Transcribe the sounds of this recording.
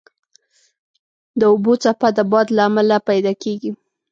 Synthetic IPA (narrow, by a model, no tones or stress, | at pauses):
d̪əʊbot͡sapad̪əbɑd̪laːmalapajd̪ɑkeɡi